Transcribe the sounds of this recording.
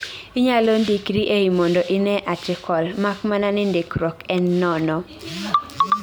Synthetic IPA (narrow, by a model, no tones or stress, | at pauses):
iɲalondikɾiʔeimɔndɔʔɪnɛʔatɪkʰɔlmakmananɪndekɾɔkɛnːɔnɔ